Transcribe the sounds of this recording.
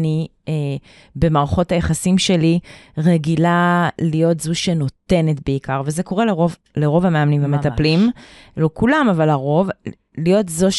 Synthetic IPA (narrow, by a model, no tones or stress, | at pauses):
ni | e | be̞maʁaχo̞thajeχasimʃe̞liʁeɡilalijo̞tzuʃeno̞te̞ne̞tbeikaʁvezeko̞ʁeleʁov | leʁo̞vameamnĩmvamet̪aplimlokulamavalaʁo̞v | lijo̞tzoʃ